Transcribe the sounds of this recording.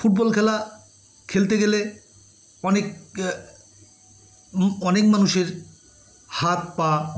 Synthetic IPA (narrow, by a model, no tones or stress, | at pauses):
fuʈ̚bɔlkʰɛla | kʰelt̪eɡele | ɔnek | ɔnekmanuʃeɾ | hat̪̚pa